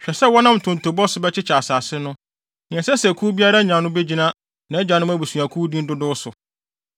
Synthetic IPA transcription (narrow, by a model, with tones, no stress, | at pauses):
ɕᶣɛ˨sɛ˦wɔ˦nã˦m̩˨tʰʊ̃˨n˨tʰo˨bɔ˦sʊ˦bɛ˦t͡ɕʰɪ˦t͡ɕʰa˨saː˨sɪ˦nʊ̃˦ | nɪ̃˨ɛ̃˨sɛ˦sɛ˨kʰuː˦bi˦a˦ɾa˦ɲã˨nʊ̃˦be˦d͡ʑi˦nã˦ | nã˨ɛ˦d͡ʑã˨nʊ̃˦m˦æ˦bu˨su˨a˨kʰu˦dĩ˦n˦dʊ˦dʊ˦sʊ˨